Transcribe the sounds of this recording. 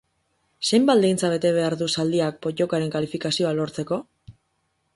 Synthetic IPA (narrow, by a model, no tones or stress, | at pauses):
se̞jmbat̪d̪ejnt͡saβ̞e̞t̪e̞β̞e̞aɾðusald̪iak̚po̞ʎo̞kaɾe̞ŋkalifikasio̞alo̞ɾt͡se̞ko̞